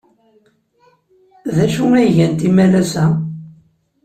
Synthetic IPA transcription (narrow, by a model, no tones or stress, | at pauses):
ðæʃuæjʝænt̪imælæsæ